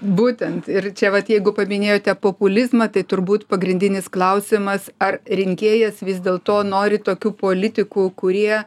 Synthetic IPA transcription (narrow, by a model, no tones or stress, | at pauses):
buːt̪ʲɛnt̪ɪrt͡ʃʲɛʋɐt̪jɛɪɡʊpɐmʲɪnʲeːjoːt̪ʲɛpoːpʊlʲɪzmɐt̪ɐɪt̪ʊrbuːt̪pɐɡɾʲɪnʲd̪ʲɪnʲɪsklˠɐʊsʲɪmɐsɐrɾʲɪŋʲkʲeːjɛsʋʲɪzd̪ʲeːlˠt̪oːnoːɾʲɪt̪oːkʲuːpoːlʲɪt̪ʲɪkuːkʊɾʲiɛ